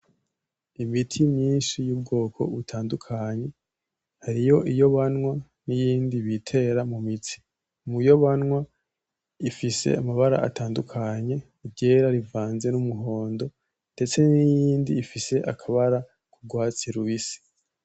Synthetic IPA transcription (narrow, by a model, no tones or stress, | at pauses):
imitʰimɲiːnʃijuːbɡo̞ːkʰo̞̰βutʰaːndukʰaɲe̞ | haɾijo̞ʔijo̞βanŋwa | nijiːndiβitʰe̞ɾamumitʰi̥ | mujo̞βanŋwa | ifise̞̰amaβaɾa̰ʔa̰tʰaːndukʰaɲe̞ | ɟe̞ɾaɾivaːnze̞numuɦo̞ːndo̞ | nde̞t͡se̞nijiːndiːfise̞ʔakʰaβaɾa | kuɡwaːt͡siɾuβisi̥